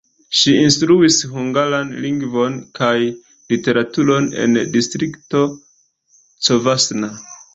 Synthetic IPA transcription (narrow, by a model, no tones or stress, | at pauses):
ʃiinstɾuisɦuŋɡalanliŋɡvo̞nkaj | lite̞ɾatuɾo̞ne̞̰ndistɾikto̞ | t͡sovasna